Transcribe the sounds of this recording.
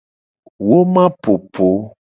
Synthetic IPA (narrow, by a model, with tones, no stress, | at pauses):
wo˦mã˦po˨pʰo˨˦